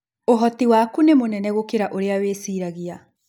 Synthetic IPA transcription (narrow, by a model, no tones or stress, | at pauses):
oɦɔtiwakunemonɛnɛɣokeɾaʔoɾeaweːsiːɾaɣia